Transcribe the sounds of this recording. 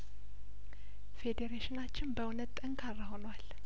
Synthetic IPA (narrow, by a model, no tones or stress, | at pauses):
fe̞d̪eɾeʃɪnat͡ʃːɪnbəwunət̪ʼt̪ʼəŋkʰarːaho̞nwal